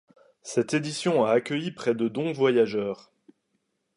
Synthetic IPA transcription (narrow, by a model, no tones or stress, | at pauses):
sɛt̪ed̪isjɔ̃aːkʲəjipχɛd̪əd̪ɔ̃vwajaʒœːʁ